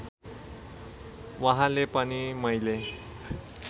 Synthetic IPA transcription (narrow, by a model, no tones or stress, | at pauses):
ʋaɦãlepənimʌjle